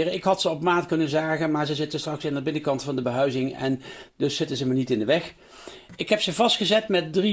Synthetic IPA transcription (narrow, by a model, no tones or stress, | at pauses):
rəɪkɦɑtsəɔpmaːtkɵnənzaːɣənmaːɹzəzɪtənstrɑksɪndəbɪnəkɑntfɑndəbəɦœɥzɪŋɛ̰ndɵsːɪtənzəmənitɪndəʋɛx | ɪkɦɛpsəvɑstχəzɛtmɛt̚dri